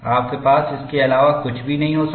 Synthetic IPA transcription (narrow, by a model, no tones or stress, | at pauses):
aːp̚kepaːsɪskeɐlaːʋakʊt͡ʃʰbʱinɐɦĩɦoːs